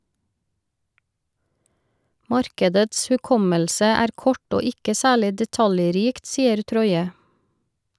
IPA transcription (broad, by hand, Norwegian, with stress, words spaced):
ˈmɑɾkədəts hʉˈkɔməlsə ˈæːɾ ˈkɔʈ ˈoː ˈɪkə ˈsæːɭɪ dɛˈtɑljˌɾiːkt ˈsiːəɾ ˈtɾɔʏə